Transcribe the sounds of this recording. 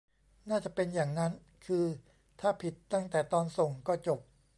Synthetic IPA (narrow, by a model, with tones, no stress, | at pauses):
naː˥˩t͡ɕa˨˩ʔpe˧njaː˨˩ŋna˦˥n | kʰɯː˧ | t̪ʰaː˥˩pʰi˨˩t̪ːa˥˩ŋt̪ɛː˨˩t̪ɔː˧nso˨˩ŋkɔː˥˩t͡ɕo˨˩p̚